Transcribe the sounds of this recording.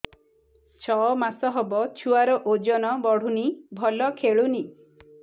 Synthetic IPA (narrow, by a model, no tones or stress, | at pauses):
t͡ʃʰɔmasɔɦɔbɔt͡ʃʰuaɾɔʔod͡ʒɔnɔbɔɽ̤unibʱɔlɔkʰeɭuni